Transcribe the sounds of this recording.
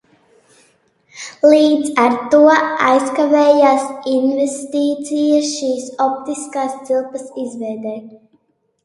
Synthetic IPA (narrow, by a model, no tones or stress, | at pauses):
lˠiːd̪zaɾt̪uɔa̰jskavɛːjaːsinvɛst̪iːt̪sijaʃiːsɔp̚t̪iskaːst̪silˠpɐsizvɛjd̪ɛː